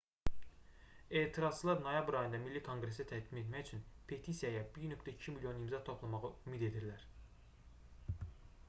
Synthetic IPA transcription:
e̞ːt̪ʰiɾɑz̥t͡ʃʰɯlˠɑɾno̞jɑbɾɑjɯnd̪ɑmilːikʰo̞ŋɡɾe̞s̬æt̪ʰæɡd̪ime̞t̪mæçyt͡ʃʰynpʰe̞t̪ʰisijɑjɑbiɾnøkt̪ʰæicʰimilʲjo̞nimzɑt̪ʰopʰlˠɑmɑʁɯymid̪e̞d̪iɾlæɾ

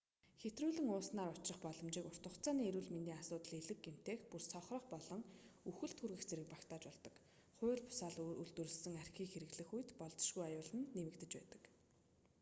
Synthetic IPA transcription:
xet̪ruːɮɘ̆ŋʊːsnaːɾʊt͡ɕrə̆χpɔɮɞ̆mt͡ɕiːkʊr̥t̪ə̆χt͡saːniːeɾuːɮment̪iːŋasʊːt̪əɮeɮɘ̆k̚ɡem̥t̪eːxpursʰɔχrɞ̆χpɔɮɞ̆ŋuxɘ̆ɮt̪ʰxurɣɘ̆xt͡seɾɘ̆k̚pakt̪aːt͡ɕpɔɮt̪ɞ̆k | χʊ̟ːɮpʊ̥saːɮṵɮt̪ŭrɘ̆ɮsɘ̆ŋar̥xʲiːŋxeɾɘ̆ɣɮɘ̆xujt̪pɔɮt͡sɞ̥̆ʃɡujajʊːɮə̆nːemɘ̆kt̪ɘ̆t͡ɕpæ̰ːt̪ə̥̆k

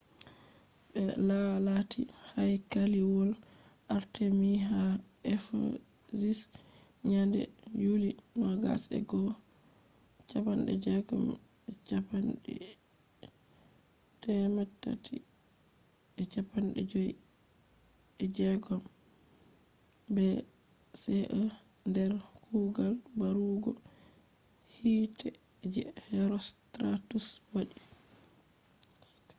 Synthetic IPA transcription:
ɓɛlalatʰihajkaliwɔl | ʔaɾtemiɦa | ʔɛfo̰zis | ɲandɛ̰d͡ʒulimaɡa̰sɛ̰ɡɔ | t͡ʃapanɗɛ̰d͡ʒɛɡɔ̰mɛt͡ʃapanɗɛ̰ | tɛmatːa̰tʰi | ɛt͡ʃapanɗɛ̰d͡ʒoji | ɛd͡ʒɛɡɔm | bɛ | sɛʔɔndɛɾhuɡalbaɾuɡɔ̰ | hiːtʰɛd͡ʒɛhɛɾɔstɾatuswaɗi

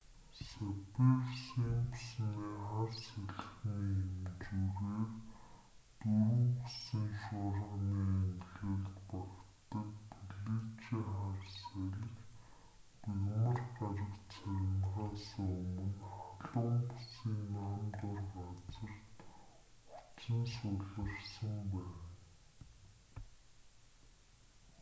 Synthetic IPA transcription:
sæpewsiːmpʊsniːχarsæɮxiemt͡ɕuɾeːr | t̪uɾŭŋpusĭŋʃʊɾə̆ʁniːeŋɮeːɮt̪pakt̪ə̆kpuɮiːt͡ɕiːŋχarsæɾʲɪ̆k | piɣmə̆rɢaɾə̆kt͡sʰæɾʲɪ̆nʁaːsə̆ŋɵmɵ̆nχaɮʊŋpusiːnːaːmt̪ʊrɢat͡sə̆r̥t̪ | u̥t͡sə̆nsʊɮə̆rsə̆mpæːn

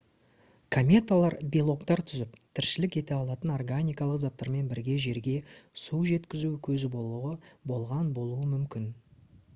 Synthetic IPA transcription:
kʰomʲe̞t̪alˠɑɾbilˠo̞kt̪ɑɾt̪ʰʏzɪp̚t̪ʰɪɾʃɪlɪkʲe̞t̪e̞ɑlˠɑt̪əno̞rɡanʲijkɑlˠəqzɑt̪ːɑɾme̞nbɪɾɡʲe̞ʒe̞ɾɡʲe̞suʒe̞t̪kʲɪzukʲʰɵzɪ | bo̞lˠʁɑnbo̞lˠuəmʏmkʲɪn

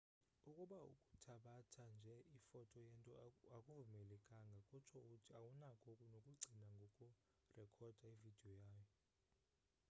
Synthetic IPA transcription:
ukʼuɓaṵkʼu̥tʰaɓatʰand͡ʒʱɛifɔtʰʼɔjɛntʼɔakʼuvumɛlɛkʼaŋɡʱakʼut͡ʃʰɔukʼutʰiawunakʼʰokʼunokʼuɡ͡ǀʱinaŋɡʱokʼu | rɛkʰɔd̥ʱaivid̥ʱiɔjaːjɔ

